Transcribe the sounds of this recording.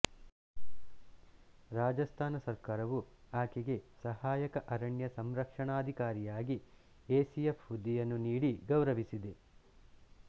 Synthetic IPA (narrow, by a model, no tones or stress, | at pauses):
ɾaːd͡ʒɐst̪ʰaːnɐsɐɾkaːɾɐʋuaːkiɡe̞sɐhaːjɐkɐʔɐɾɐɳjɐsɐmɾɐkʂɐɳaːd̪ʱikaːɾijaːɡi | eːsijepːud̪ʱːijɐnːuniːɽiɡɐwɾɐʋisid̪e